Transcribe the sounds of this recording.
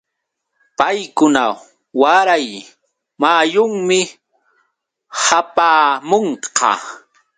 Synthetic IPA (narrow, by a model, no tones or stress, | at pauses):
pajkʊna | waɾaj | majʊŋmɪ | hapaːmoɴqɑ̰